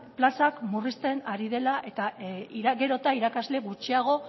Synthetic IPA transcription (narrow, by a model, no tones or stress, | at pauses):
plasakmurist̪e̞naɾið̞e̞laʔe̞t̪aiɾaɡe̞ɾo̞t̪aiɾakazle̞ɣut͡ʃiaɣ̞o̞